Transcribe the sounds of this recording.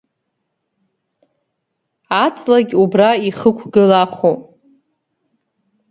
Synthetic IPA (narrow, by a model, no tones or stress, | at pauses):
at͡sʼlaɡʲubraiχəkʷʰɡɨlaχu